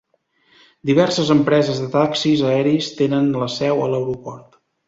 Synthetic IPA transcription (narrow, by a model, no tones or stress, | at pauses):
d̪iβ̞ɛrsəzəmpɾɛzəzðət̪aksizəɛɾist̪enənləsɛwələwɾupɔrt̪